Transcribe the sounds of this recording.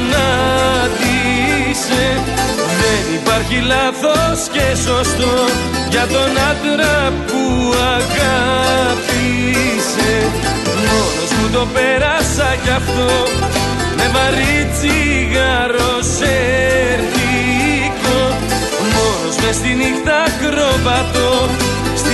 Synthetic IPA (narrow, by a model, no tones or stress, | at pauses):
nɐðise̞ðenipɐɾçilɐθo̞sce̞so̞st̪o | ʝɐt̪o̞nɐd̪ɾɐpuɐɣɐpi | se̞ | mo̞no̞zmut̪o̞pe̞ɾɐsɐʝɐft̪o̞ | me̞vɐɾit͡siɣɐɾo̞seɾθiko | mo̞no̞zme̞st̪inikt̪ɐkɾo̞vɐt̪o | s